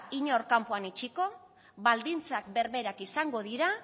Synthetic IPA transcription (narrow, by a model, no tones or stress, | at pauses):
iɲo̞ɾkampoanit͡ʃiko̞ | βald̪int͡sakbe̞ɾβe̞ɾakisaŋɡo̞ðiɾa